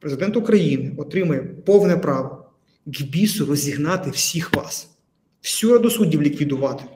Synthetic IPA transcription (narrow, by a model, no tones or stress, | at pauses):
pɾezɪd̪ɛnt̪ʊkɾɐjinɪɔt̪ɾɪmɐjɛpɔwnɛpɾɑʋɔ | ɡbʲisʊrɔzʲiɦnɑt̪ɪwsʲixʋɑ̰s | w̥sʲuɾɐd̪ʊsudʲiwlʲikʋʲid̪ʊʋɑt̪ɪ̥